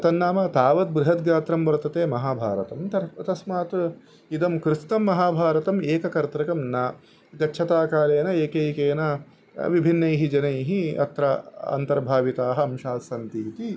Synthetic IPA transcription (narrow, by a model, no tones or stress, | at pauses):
t̪ɐnːaːmɐt̪aːʋɐt̪̚bɾɪɦɐt̪̚ɡaːt̪ɾɐmʋɐɾt̪ɐt̪eːmɐɦaːbʱaːɾɐt̪ɐmt̪ɐt̪ɐsmaːt̪ | id̪ɐmkɾɪsnɐmːɐɦaːbʱaːɾɐt̪ɐmeːkɐkɐɾt̪ɾɐkɐmnaː | ɡɐtːʃʰɐt̪aːkaːleːnɐeːkejkeːnɐ | ʋibʱinːɐjɦid͡ʒɐnɐjɦiɐ̰t̪ɾɐɐ̰nt̪ɐɾbʱaːʋit̪aːɦɐɐmʃaːt̪sɐnt̪iːt̪i